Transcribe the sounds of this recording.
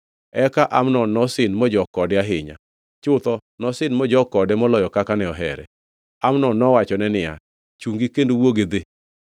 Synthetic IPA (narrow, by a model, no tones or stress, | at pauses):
ɛkaʔamnɔnɔsɪnmɔd͡ʒɔkɔdɪaɦɪɲa̰ | t͡ʃʊt̪ɔnɔsɪnmɔd͡ʒɔkɔdɛmɔlɔjɔkakanɛɔɦɛɾɛ̰ | amnɔnɔwat͡ʃɔnɛnɪa̰ | t͡ʃuŋɡikendowoɡed̪e